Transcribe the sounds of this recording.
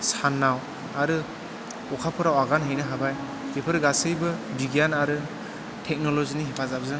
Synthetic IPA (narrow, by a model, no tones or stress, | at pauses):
sanːaw | aɾɯ | ɔkʰapʰɯɾawaɡanɦɯjnɯɦabaj | bipʰɯɾɡasɯjbɯbiɡianaɾɯ | tʰɛk̚nɔlozinihipʰazabzɯ